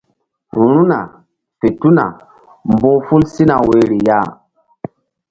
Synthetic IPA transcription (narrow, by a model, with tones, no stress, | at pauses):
ɾu˦na˨ | fe˨tu˦na̰˨ | mbo˦fu˦lsi˦na˨we˨ɾi˨ja˦˨